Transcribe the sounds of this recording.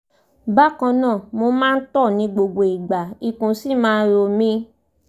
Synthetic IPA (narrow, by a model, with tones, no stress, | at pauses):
ba˦kã˧nãː˦˨mo˧˦mãː˦n̩˦tɔ˦˨nĩ˨˧ɡ͡bo˧ɡ͡bo˨i˨ɡ͡ba˨˦i˧kũ˨si˦˨mãː˦˧˦ɾo˧mĩ˦